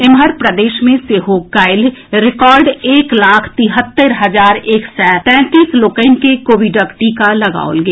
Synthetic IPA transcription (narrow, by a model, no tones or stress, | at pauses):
ɪmɦəɾpɾɐd̪eːʃmẽseɦokaːɪlɾɪkɔːɾɖeːklaːkʰt̪ɪɦət̪ːəɾɦɐzaːɾeːksɛt̪ɛ̃ːt̪iːsloːkəɪnkekoːʋɪɖəkʈikalɐɡa̰ːo̰lɡe